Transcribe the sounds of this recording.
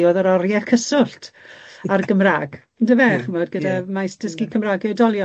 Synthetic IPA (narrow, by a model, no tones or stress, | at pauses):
oːðəɾɔrjɛðkʰəsʊɬtʰarɡəmraːɡ̥ | ndəvɛχəmɔdɡədamajsd̥əskikʰəmraːɡɛwdɔlˠjɔ